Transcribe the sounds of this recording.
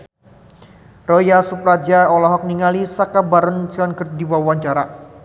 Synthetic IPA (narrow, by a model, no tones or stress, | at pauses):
rɔjasupɾad͡ʒaɔlɔɦɔk̚niŋalisakabaɾʊnt͡ʃiɔnɡərdiwaawaɲt͡ʃaɾa